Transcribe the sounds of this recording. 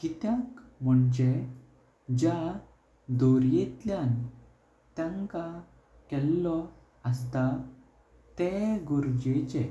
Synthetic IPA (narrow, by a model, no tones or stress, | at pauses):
kit̪jãkm̤əɳd͡ʑe | d͡ʑa | d̪oɾjet̪ljan | t̪jãŋka | kɛlːɔ | əst̪a | t̪ɛɡoɾd͡ʑet͡ɕe